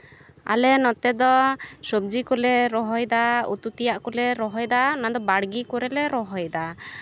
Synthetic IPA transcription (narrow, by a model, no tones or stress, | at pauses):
a̰lɛnɔt̪ɛd̪ɔsɔb̚d͡ʒikɔlɛɾɔɦɔjd̪aṵt̪ut̪ijaʔkulɛɾɔɦɔjd̪anad̪ɔbaɽɡikɔɾɛlɛɾɔɦɔjd̪a